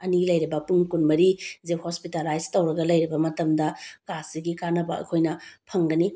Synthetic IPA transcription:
ɐnilɐjɾibɐpuŋkunmɐɾizephospitalajztɐwɾɐɡɐlɐjɾibɐmɐtɐmdɐkasiɡikanɐbɐ̰ɐ̰kʰojnɐpʰɐŋɡɐni

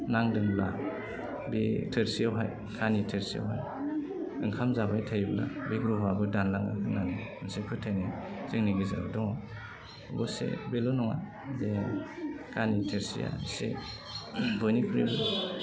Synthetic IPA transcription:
naŋdɯnla | bitʰɯɾsiawɦaj | kʰanitʰeɾsia̰wɦaj | ɯŋkʰamzabajtʰajbla̰biɡɾuɦabɯdanlaŋɯ̰hɯnaneɯnsepʰɯtʰajnizɯŋniɡɯza̰ɯ̰dɔŋɔ | bɔsḛbelɔnɔŋa̰ | de | kanitʰeɾsḭja̰sḛ | bɯnipʰɾibɯl

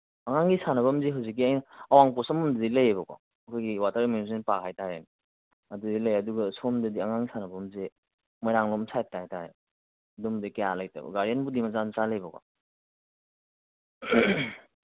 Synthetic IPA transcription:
aŋaŋɡisanɐbɐmzeɦawzik̬ːiajnaɐwaŋpɔsamɔmddilɐjebɐkwa̰ | ɐkʰɔjɡiwatɐɾiminusinpakʰajtaɾen | ɐdudilɐjɐduɡɐsomdɐdiaŋaŋɡisanɐbɐmze | mɔjɾaŋlomsʰatːataɾe | dumdikajalajta̰ɡɐ̰ɡaɾanbudimazansaləjbɐkwa̰

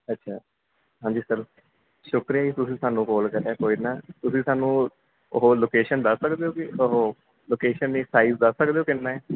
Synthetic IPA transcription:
ətːʃʰaː | ɦãːɲd͡ʒiːsəɾ | ʃʊkɾijaːiːt̪ʊsĩːsaːnũːkoːlkəɾɛːkoːinaːt̪ʊsĩːsaːnũː | oɦoːloːkeːʃənd̪əsːəkd̪eːoːkɪoɦoː | loːkeːʃənːiːsaːiːzd̪əsːəkd̪eːoːkɪnːãːɛː

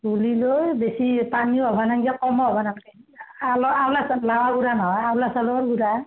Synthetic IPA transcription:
ɡulilojbesipaniɦɔbʱanaŋɡiakɔmɔɔbʱanaŋɛalɔawlaslawaɡuɾanɔɦɔjawlasalɔɔɾɡuɾa

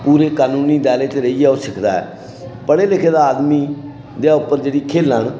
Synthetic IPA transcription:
puːɾeːkaːnũːniːd̪aːleːt̪eːɾəiɛːoːsɪkʰd̪a̰ːɛ̰ː | pəɽeːlɪkʰeːd̪aːaːd̪miː | d̪ejaːʊpːəɾd͡ʒeːɽiːkʰeːləɳ

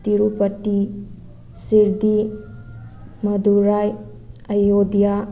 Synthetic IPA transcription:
t̪iɾupɐti | siɾd̪i | mɐduɾaj | ɐjodija

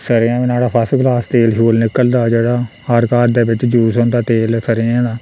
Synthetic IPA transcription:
səɾɪjãːʋnaːɽaːpʰəsɡlaːst̪eːlʃuːlnɪkəld̪aːd͡ʒeːɽaː | aːɾkaːɾd̪eːbɪt͡ʃd͡ʒuːsɦõːnd̪aːt̪eːlsəɾɪãːd̪aː

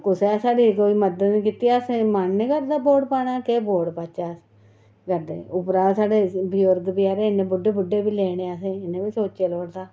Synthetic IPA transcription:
kʊsesaːɽiːkoːiːməd̪əd̪niːkiːt̪ijaːsẽːmannẽːkəɾd̪aːboːɽpaːnaːkeːboːɖpaːt͡ʃaːs | kəɾd̪ḛːʊpɾaːsaːɖeːbɪjʊɾɡ̪biːaːɾeːɪnẽːbʊɖːeːbʊɖeːbiːleːɽ̃eːaːsẽːɪnẽːbiːsoːt͡ʃt͡ʃeːloːɽd̪aː

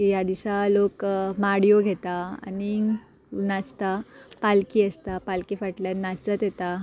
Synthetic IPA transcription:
ijad̪isalokmaɽijoɡʱet̪aa̰ni | nat͡st̪apalkiəst̪apalkifəʈljanat͡sət̪jet̪a

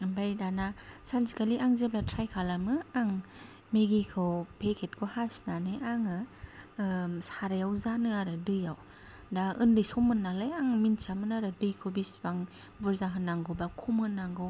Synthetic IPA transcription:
bajdanasanzikaliʔaŋzeblatʰɾajkʰalamɯaŋ | meɡikʰɯwpʰekʰet̚kʰohasnanɯjʔaŋɯ | saɾajawzanɯaɾɯdɯjaw | daɯndɯjsomɯnːalajaŋminsamɯnaɾɯdɯjkʰɯwbisbaŋ | bɯɾzaɦɯnːaŋɡobakʰumɯnːaŋɡɯw

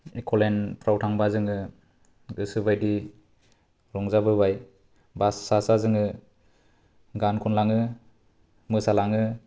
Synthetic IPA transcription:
ikʰɔlenpɾawtʰaŋbazɯŋɯ | ɡɯsɯbajdi | ɾɔŋzabɯβaj | basːasazɯŋɯ | ɡankʰɔnlaŋɯ | mɯsalaŋɯ

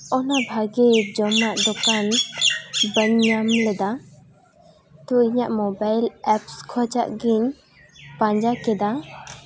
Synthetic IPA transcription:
ɔnabʱaɡɛd͡ʒɔmaʔd̪ɔkan | bəɲːamlɛd̪a | t̪ɔiɲaʔmɔbajlɛpskʰɔd͡ʒa̰ʔɡiɲ | pãɲd͡ʒakɛd̪a

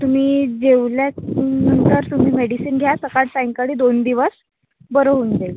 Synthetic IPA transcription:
t̪um̤iːd͡ʑeʋljanənt̪əɾt̪um̤iːmeɽisiːnɡʱjasəkaɽsajŋkəɽiːd̪ond̪iʋəs | bəɾoɦund͡zel

